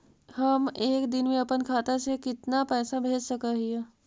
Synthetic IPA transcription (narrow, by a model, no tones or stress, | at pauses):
həmeːkd̪ɪnmẽɐpənkʰaːt̪asekɪt̪napɛːsabʱeːd͡ʒsɐkəɦiẽ